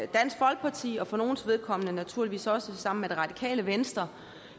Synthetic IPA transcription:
d̥æn̰sɡ̥fɒ̽lɡ̥̚pʰɑ̈t͡sʰḭːɒ̽fɒ̽no̝ːn̩sʋe̝ð̞ˠkʰɒ̽mnənæt͡sʰuɐliʋḭːsɒ̽səsɑ̈m̰̩med̥e̝ʁɑ̈d̥ikʰɛ̰ːləʋensd̥ʁɐ

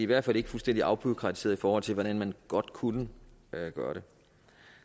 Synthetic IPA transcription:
iiʋæɐd̥fæl̰e̝ɡ̥əfulsd̥en̰d̥iɑ̈ʊb̥ʰuðˠkʰʁɑ̈i̥se̝ːɐðˠifɒːhɒ̽l̰t͡sʰe̝ʋɒɾ̥ænmænɡ̥ɒ̽d̥kʰunəɡ̥ɶːɐɾ̥e̝

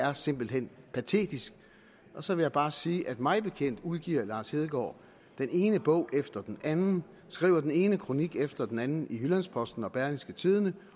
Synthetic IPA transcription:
æɐse̝m̰b̥l̩ɦen̰pʰæt͡sʰe̝̰ːd̥isɡ̥ | ʔɒ̽sɒ̽ʋe̝jɑɪb̥ɑ̈ːsiːʔæd̥mɑ̈ɪb̥e̝kʰen̰d̥uð̞ˠɡ̥iɐlɑ̈ːshe̝ːð̞ˠɡ̥ɒ̰ː | d̥ene̝ːnəb̥ɔ̽ʊ̰ʔefd̥ɐd̥enʔænn̩ | sɡ̥ʁḭːʊɐd̥ene̝ːnəkʰʁo̝niɡ̥efd̥ɐd̥enænn̩ihylænspʰɒ̽sd̥n̩ɒ̽b̥æɐlisɡ̥ət͡sʰið̞ˠənə

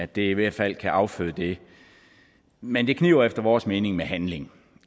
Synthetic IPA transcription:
æd̥e̝iʋæɐ̰d̥fæl̰kʰæʔɑ̈ʊføðˠəd̥e̝ | mend̥e̝kʰnḭʊɐefd̥ɐʋɒːsme̝ːne̝ŋmeɦænle̝ŋ

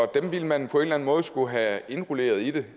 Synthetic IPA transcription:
ɒd̥emʋiləmænpʰɒ̽enlæn̩mɔ̽ːð̞̩ˠsɡ̥uɦæe̝nʁule̝̰ːɐð̞ˠid̥e̝

